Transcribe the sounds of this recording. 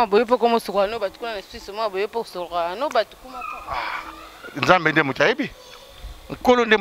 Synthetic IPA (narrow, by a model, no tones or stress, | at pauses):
bojop̬okomosoknobatu̥kunanaswisomaabojoposokokaanobatu̥kumapo | nzambendemotajebi | ŋ̩kolonde